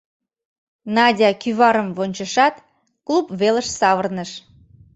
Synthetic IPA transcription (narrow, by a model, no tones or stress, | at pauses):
nɑdʲɑkyβɑɾəmvonʲt͡ɕəʃɑt̪ | klupβeləʃsɑβərnəʃ